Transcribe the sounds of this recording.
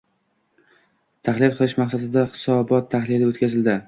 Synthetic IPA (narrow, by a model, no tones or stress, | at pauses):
t̪ʰaχlɪlqʰɨlɪʃmaqsad̪ɪd̪ahɪ̥sɒbɒt̪ʰːaχlɪlɪot̪kʲazɪld̪ɪ